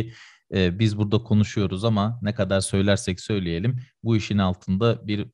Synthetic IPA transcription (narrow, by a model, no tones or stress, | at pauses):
ɛːbizbuɾd̪akʰo̞nuʃujo̞ɾuzamanɛkad̪aɾsø̞jlʲæɾsɛcsø̞jlʲeje̞lʲimbuiʃinalˠt̪ʰɯnd̪abiɾ